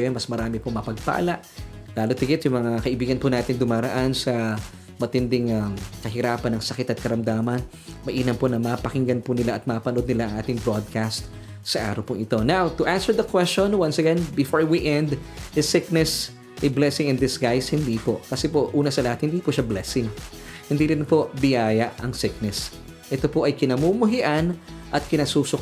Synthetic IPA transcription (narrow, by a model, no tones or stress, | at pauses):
jɛnmɐsmɐɾaːmɪpomɐpɐɡ̚pɐ̰ʔɐ̰laʔlaːlot̪ːɪkɪt̪jʊŋmɐŋaakɐʔɪbiːɡɐnpʊnaːt̪ɪŋd̪ʊmaːɾɐʔansɐ | mɐt̪ɪnd̪ɪŋamkɐɦɪɾaːpɐnɐŋsɐkɪt̪ɐt̪̚kɐɾɐmd̪aːmɐn | mɐʔiːnɐmponɐmaːpɐkɪŋɡɐnpʊnɪlaʔɐt̪̚maːpɐnod̪̚nɪlaʔɐŋʔaːt̪ɪŋbɹod̪̚kast̪ | sɐʔa̰ːɾɐwpʊŋʔɪt̪o̞nawt̪ʊʔansɛɹd̪ɐkwɛst͡ʃõnwɐ̃nsɐɡɛ̃nbɪfoɹwiʔɛ̃nd̪ɪsɪk̚nɛs | ʔɪblɛsɪŋɛnd̪ɪsɡajshɪnd̪iːpo̞kɐsɛpoʔuːnɐsɐlɐhat̪hɪnd̪iːpʊʃablɛsɪŋ | hɪnd̪iɾɪnpo̞bɪjaːjɐʔɐŋsɪk̚nɛs | ʔɛt̪o̞poʔɐjkɪnɐmumʊɦɪʔanʔɐt̪̚kɪnɐsusok